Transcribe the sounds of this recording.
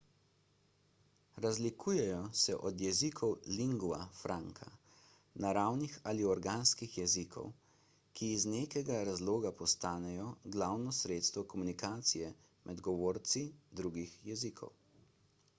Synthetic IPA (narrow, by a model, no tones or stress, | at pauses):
ɾazlikʰuːjɛjɔsɛʔɔd̪jɛzikʰɔwliŋɡuafɾʔaŋkʰa̰ | naɾawnixaliɔɾɡaːnskixjɛzikʰɔ̰w | kiːzneːkɛɡaɾazloːɡapɔst̪aːnɛjɔɡlawnɔsɾeːt̪st̪ʋɔkɔmunikaːt̪sijɛ | mʔɛd̪ɡɔʋoːɾt̪sid̪ɾuːɡixjɛzikʰɔ̰w